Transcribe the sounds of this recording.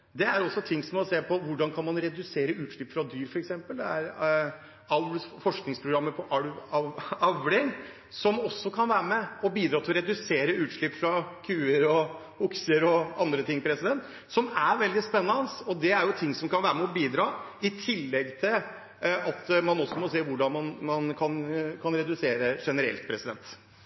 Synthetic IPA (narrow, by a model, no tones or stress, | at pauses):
d̪ɛæɾɔsːɔt̪ʰɪŋːsɔmɔseːpʰɔʋʊɖɑnkʰɑnmɑnɾɛd̪ʉseːɾəʉːt̪ʂɭɪpːfɾɑd̪yːɾfɔɾɛksɛmpəld̪ɛæɾ | ɑfɔʂknɪŋspʰɾʊɡɾɑmːəpʰɔʔɑɑɑʋlɪŋ | sɔmɔsːɔkʰɑnʋæːɾəmɛɔbiːd̪ɾɑt̪ɪlɔɾɛd̪ʉseːɾəʉːt̪ʂɭɪpːfɾɑkʰʉːəɾɔ | ʊksəɾɔɑnd̪ɾət̪ʰɪŋːpʰɾɛsɪd̪ɛnt̪ | sɔmæɾʋɛld̪ɪspɛnːɑnəsɔd̪ɛæɾjʊt̪ʰɪŋːsɔmkɑnʋæːɾəmɛɔbiːd̪ɾɑː | ɪt̪ʰɪlːɛɡt̪ʰɪl | ɑt̪mɑnɔsːɔmɔseːʋʊɖɑnmɑnmɑnkʰɑnkʰɑnɾɛd̪ʉseːɾəʂɛnəɾɛ̰lt̪pʰɾɛsɪd̪ɛ̰nt̪